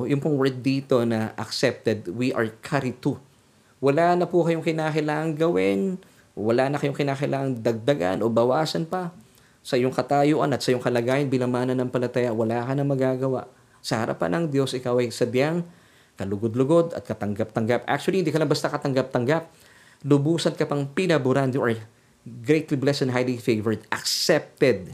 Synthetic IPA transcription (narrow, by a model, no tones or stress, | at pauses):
jʊŋpʊŋwɛɹd̪̚d̪iːt̪o̞nɐʔɐksɛp̚t̪ɛd̪wiʔɐɹkʰaɾɪt̪u | wɐlaːnɐpʊkɐjoŋkɪnaːkɪlaːʔɐŋɡɐwɪn | wɐlaːnɐkɐjoŋkɪnakɪlʔaːʔɐŋd̪ɐɡ̚d̪ɐɡa̰nʔo̞bɐwaːsɐnpɐ | sɐʔɪjoŋkɐt̪ajoʔɐ̰nɐt̪sɐʔjoŋkɐlɐɡaːjɪnbɪlɐmaːnɐnɐŋpɐlɐt̪ɐjawɐlaːkɐnɐŋmɐɡaːɡɐwa̰ʔ | sɐhɐɾa̰pa̰nɐŋd̪jo̞sɪkawɐjsɐbjaŋ | kɐlʊɡod̪lʊɡo̞d̪ɐ̰t̪̚kɐt̪ɐŋɡap̚t̪ɐŋɡapʔa̰k̚t͡ʃʊwɐlihɪnd̪ikɐlambɐst̪akɐt̪ɐŋɡap̚t̪ɐŋɡap̚ | lʊbuːsɐnkɐpɐŋpɪnɐbʊɾand̪oʔɐɹ | ɡɾejt̪liblɛsɛnɦajlifejvɛɹd̪ʔɐksɛp̚t̪ɛd̪̚